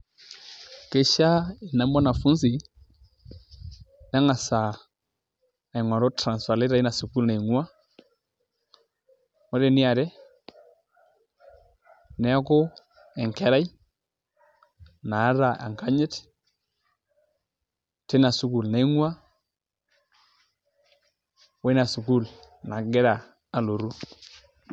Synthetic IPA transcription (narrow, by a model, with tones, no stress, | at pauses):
ke˦ʃa˦i˨na˨˦ma˦na˨fu˦ns̬i˨ | na˦ŋa˨sa˨ | ŋwa˨ɾɔ˦tɾa˨nsa˨le˦ɾa˨i˦na˨su˨ku˦lna˨i˨ŋwa˦ | mɔ˦ɾe˨ni˦a˨ɾɛ˦ | nɛ˨˦a˦ko˦ | ɛ˨ŋke˦ɾa˦j | naː˨˦ɾa˨a̰˨ŋka˦ɲɪ˦t | te˦na˨su˦ku˨lna˨i˦ŋwa˦ | we˦na˨su˨ku˦l | na˨ɡe˦ɾa˨ | a˨lo˨ɾu˦